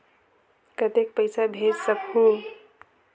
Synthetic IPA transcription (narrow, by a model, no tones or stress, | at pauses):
kət̪ekpəjsabʱed͡ʒsəbhu